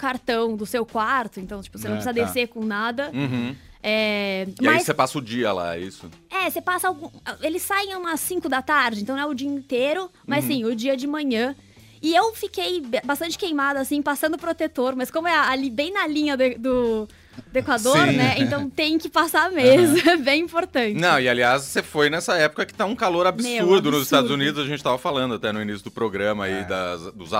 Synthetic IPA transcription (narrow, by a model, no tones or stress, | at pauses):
kaɾt̪ɐ̃w̃d̪ʊsewkwaɾt̪ʊẽnt̪ɐ̃w̃t͡ʃi̥pʊ̥senɐ̃psizɐd̪eɾsekõnad̪ɐ | ɛmɐssepasɐʊd͡ʒiɐ̰la̰ḭsʊ̰ɛsepasɐawɡũelɪsːajẽj̃aũmɐsĩkʊd̪ɐt̪aɾd͡ʒɪẽnt̪ɐ̃w̪̃ɛʊd͡ʒiɐĩt̪eɾʊ | mɐzsĩʊd͡ʒiɐd͡ʒɪmɐ̃ɲɐ̃ | ɪewfikejbast̪ɐ̃nt͡ʃɪ̥kejmad̪ʊasĩpasɐ̃nd̪ʊpɾot̪et̪oɾmɐskõmʊɛalibẽj̃nɐlĩɲɐd̪ʊed̪ʊ | d̪ʊekwad̪oɾ̃nɛẽnt̪ɐ̃w̃t̪ẽj̃kɪpasamezɐɛbẽj̃ĩpoɾt̪ɐ̃t͡ʃ̪ɐ̃w̃ɪaliassefojnɛsɐɛpʊ̥kɐkɪ̥t̪ãũkaloɾabiseuɾd̪ʊnʊzɪst̪ad̪zunid̪ʊzaɐʒẽnt͡ʃɪt̪avɐfalɐ̃nd̪ʊat̪ɛnʊinisjʊd̪ʊpɾoɡɾɐ̃mɐaid̪ɐzd̪ʊz